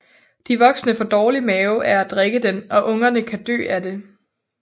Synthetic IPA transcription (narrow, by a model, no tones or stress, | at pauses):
d̥iʋɒ̽ɡ̥snəfɒ̽d̥ɒːlimɛːʊʔæɐæd̥ʁeɡ̥əd̥enɒ̽ʔɔ̽ŋɐnəkʰæd̥ø̰ːæde̝